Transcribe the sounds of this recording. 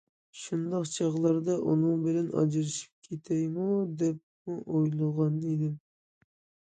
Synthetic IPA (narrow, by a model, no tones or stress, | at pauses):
ʃund̪ɑqt͡ʃʰɑʁlˠɑɾd̪ɑʔunɨŋbɪlɛnɑ̰d͡ʒɨɾɨʃi̥p̚kʲʰet̪ʰɛjmud̪ɛp̚muʔojlˠəʁɑned̪ɪm